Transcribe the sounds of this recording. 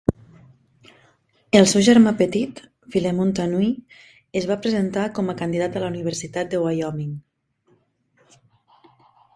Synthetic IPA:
əlˠsewʒəɾmapət̪it̪ | filemunt̪anwi | əzβapɾəzent̪akɔməkənd̪iðat̪ələuniβ̞əɾsit̪at̪̚d̪əwajɔmiŋ

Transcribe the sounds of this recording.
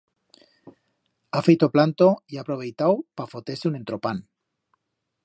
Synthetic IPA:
afejt̪oplant̪ojapɾoβe̞jt̪awpafot̪eseune̞nt̪ɾo̞pan

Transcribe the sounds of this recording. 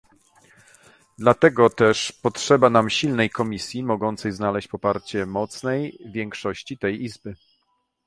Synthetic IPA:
d̪lat̪ɛɡɔt̪ɛʂpɔtʂɛbanamɕilnɛjkɔmʲisʲjimɔɡɔnt̪sɛjznalɛɕt͡ɕpɔpaɾt͡ɕɛmɔt̪snɛjvʲjɛŋkʂɔɕt͡ɕit̪ɛjʔizbɘ

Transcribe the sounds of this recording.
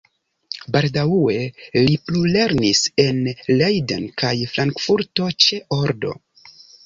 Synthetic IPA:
baldawue̞liplule̞ɾnise̞nlejdenkajfɾaŋkfuɾto̞t͡ʃe̞oɾdo̞̰

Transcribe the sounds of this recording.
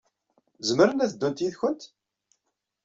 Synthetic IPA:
zəməɾənæθəd̪ːunt̪jiðçʊnt̪

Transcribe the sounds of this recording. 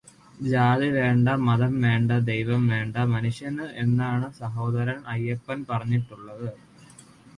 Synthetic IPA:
d͡ʑaːðiʋe̞ːɳɖɐmɐðɐmʋe̞ːɳɖɐd̪ejʋɐmʋe̞ːɳɖɐmɐnuʂjɐnɨe̞nːaːɳɨsɐɦo̞ːd̪ɐɾɐmɐjːɐpːɐnpɐrɐɲːiʈːuɭːɐðɨ

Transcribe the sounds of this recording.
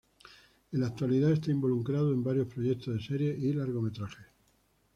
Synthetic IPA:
elak̚t̪waliðae̞st̪aimbo̞luŋkɾaðoe̞mbaɾjohpɾojett̪oðe̞se̞ɾje̞ʔilaɾɣo̞me̞t̪ɾaxe

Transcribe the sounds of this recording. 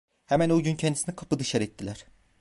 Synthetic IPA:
hæmænuɟyncʰɛnd̪isinikʰapʰɯd̪ɯʃaɾɛt̪ʰːilʲæɾ̥

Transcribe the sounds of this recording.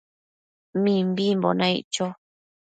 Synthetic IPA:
mĩmbimbo̰nãḭʔt͡ʃo

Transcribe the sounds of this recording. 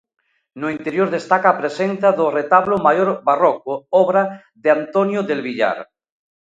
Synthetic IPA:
noint̪eɾjoɾðest̪akaːpɾesenθaðoret̪aβlomajoɾβarokoɔβɾa | ðeant̪onjoðelβiʎa̰ɾ

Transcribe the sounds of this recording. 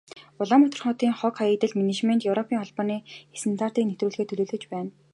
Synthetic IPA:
ʊɮamɔt̪ʰɞ̆rχʊt̪iːŋχɔkχaet̪ɘ̆ɮmenet͡ɕment̪jɵwɾɔpʰiːŋχɔɮpɔːniːxesɘ̆nt̪ʰaːr̥t̪iːknet̪ruːɮɣeːt̪ʰɵɮɵːɮɘ̆t͡ɕpæːn

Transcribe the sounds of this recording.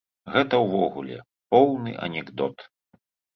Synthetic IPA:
ɣɛt̪ɐwvɔɣṵlʲɛ̰ | pɔwnɨ̰ʔɐ̰nʲɛɡd̪ɔt̪

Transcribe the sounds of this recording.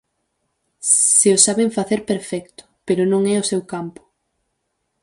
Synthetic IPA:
sɪʊsaβeɱfaθeɾpeɾfɛkt̪ʊ̥peɾʊnõŋɛʊsewkampʊ̥

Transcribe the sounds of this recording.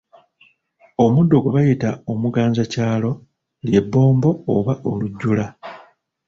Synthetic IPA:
o̞mudːo̞ɡuβajitao̞muɡaːɲzacaːlo̞ | lje̞bːo̞ːmbo̞ːβaʔo̞luɟːula

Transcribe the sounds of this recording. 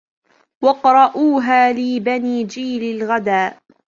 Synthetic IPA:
wɑqɾˤɑʔuːɦaːlɪːbaniːd͡ʒiːlɪlɣad̪aːʔ

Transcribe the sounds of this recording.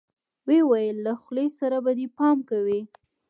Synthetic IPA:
wewajəlːaxlesaɾabad̪epɑmkawi

